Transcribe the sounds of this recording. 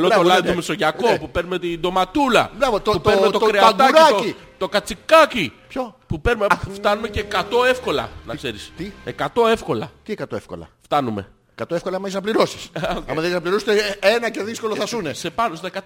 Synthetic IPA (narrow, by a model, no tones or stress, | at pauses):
lot̪olɐðit̪meso̞ʝɐko̞pupeɾnume̞t̪ind̪o̞mɐt̪ulɐ̰bɾɐvot̪pupeɾmet̪oɾeɐt̪ɐuɾaoci | t̪o̞kɐt͡sikɐcipçopupeɾumeft̪ɐnume̞ceːkɐt̪o̞e̞fko̞lɐ̰nɐkse̞ɾist̪iekɐt̪o̞e̞fko̞lɐ̰t̪iekɐt̪o̞efko̞̰lɐ̰ft̪ɐnume̞̰ | ekɐt̪oefko̞lɐɐmɐisɐpliɾosi̥sɐmɐðesɐpliɾost̪eenɐce̞ðisko̞loθɐsunesepɐnosekɐ